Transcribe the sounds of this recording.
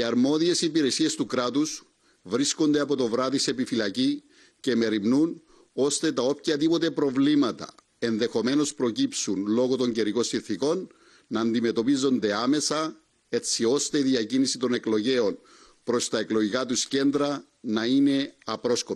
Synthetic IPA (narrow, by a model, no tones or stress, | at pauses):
iɐɾmo̞ðie̞sipiɾe̞sie̞st̪ukɾɐt̪uz | vɾisko̞nd̪e̞ɐpo̞t̪o̞vɾɐðise̞pifilɐci | ce̞me̞ɾimnun | o̞st̪e̞t̪ɐo̞pçɐt̪ipo̞t̪e̞pɾo̞vlimɐt̪ɐ̰ | e̞nðe̞xo̞me̞no̞spɾo̞cipsunlo̞ɣot̪o̞ɲɟeɾiko̞nsinθiko̞nː | ɐːnd̪ime̞t̪o̞pizːo̞nd̪e̞ame̞sɐ | e̞t͡sio̞st̪e̞iðiɐcinisit̪o̞ne̞klo̞ʝe̞o̞n | pɾo̞st̪ɐe̞klo̞ʝikɐt̪usce̞nd̪ɾɐ | nɐine̞ɐpɾo̞skopi̥